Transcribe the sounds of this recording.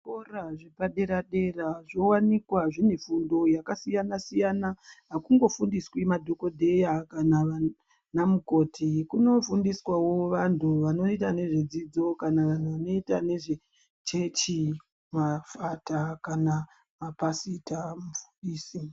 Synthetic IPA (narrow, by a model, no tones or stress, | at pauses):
koraʐepaɗe̞ɾaɗe̞raʐowanikwaʐine̞fundo̞jakasijanasijanaɦakuŋɡo̞fundiswimadʱo̞ko̞dʱe̞jakanaa | namuko̞tʰikuno̞fundiswawo̞ʋantʰuʋano̞itane̞ʐed͡zid͡zo̞kanaʋan̤uʋano̞itane̞ʐe | t͡ʃe̞t͡ʃi | mafatakana | mapasitamufu̥ndiːsi